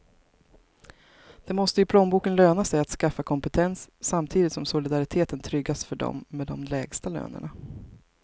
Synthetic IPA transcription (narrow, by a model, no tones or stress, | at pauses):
d̪̥ɛmɔst̪əjɵpʰlɔmbuːkənløːnasɛjat̪skafːakʰɔmpɛt̪ʰɛnsːamt̪ʰiːd̪ɪt̪sɔmsʊlɪd̪aɾɪt̪ʰeːt̪ənt̪ʰɾʏɡːasfœɖɔ̰mːɛd̪ɔmlɛːɡst̪alø̰ːnə̰ɳa